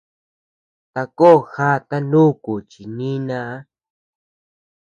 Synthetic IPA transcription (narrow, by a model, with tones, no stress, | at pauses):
t̪a˧ko˦˨xa˦t̪a˦nũ˦˨ku˨t͡ʃi˨nĩ˦nã˧˦